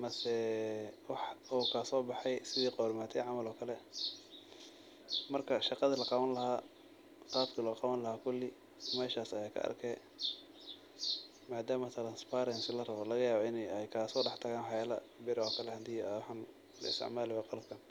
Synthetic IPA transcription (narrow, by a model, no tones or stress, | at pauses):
mɐsɛwɑħukʰaːsɔːbɑħɛjsɪðiːqɔːɾmaːt̪ʰɛjʕɑmɐlɔːkʰɐlɛ | mɐrkʰɐʃɑqɑðilɐqɑβɐnlɐɦhaː | qɑːbkʰilɐqɑβɐnlɐhaːkʰʊlːɪ | mɛːʃaːsɐjaːkʰɐ̰ʔɐ̰rkʰɛː | maːd̪aːmɐt̪ʰɾɐnspaɾɛnsɪlɐrɐβɔlɐɣɐjaːβɔɪnɛjɛjkʰaːsɔːɖɑħt̪ʰɐɣaːnwħjaːlɐ̰bɪɾɔːkʰɐlɛhɐd̪iːjwʊħɑːn | lɐ̰ɪst̪ɪ̰ʕmaːlɪwɛqɑlɐb̚kʰɐn